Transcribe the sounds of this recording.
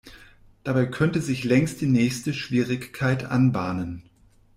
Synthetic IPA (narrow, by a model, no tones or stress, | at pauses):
d̥abaɪkʰœntəzɪçlɛŋst̚d̥iːnɛːçstəʃv̥iːʁɪçkʰːaɪtʔa̰nbaːnən